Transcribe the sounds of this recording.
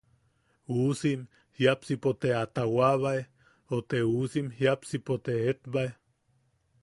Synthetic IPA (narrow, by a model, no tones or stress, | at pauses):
usim | hjapsipot̪eat̪awaβae | ot̪eusimhjapsipot̪eet̪bae